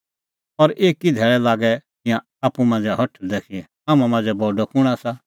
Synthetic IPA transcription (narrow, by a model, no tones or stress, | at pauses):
ɔɾʔeːkid̪ʱɛːɭɛlaːɡɛt̪ɪ̃jã | aːpumãːnd͡zɛɦɔʈʰːd̪eːkʰi | aːmãmãːnd͡zɛbɔɖɔkʰʊɽ̃asa